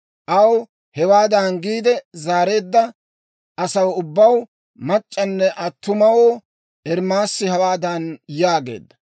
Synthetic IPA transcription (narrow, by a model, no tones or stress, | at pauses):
ʔɐw | hɛwaːd̪ɐnɡiːd̪ɛzaːɾe̞ːd̪ːɐ | ɐsɐwʊbːɐw | mɐt͡ʃʼːɐnːɛʔɐt̪ːʊmɐwoː | ʔɛɾmaːsːɪhɐwaːd̪ɐnjaːɡe̞̰ːd̪ːɐ